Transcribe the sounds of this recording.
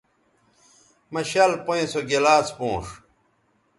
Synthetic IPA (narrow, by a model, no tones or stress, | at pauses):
mɐɕalpoẽsoɡelaːt͡spõːʂ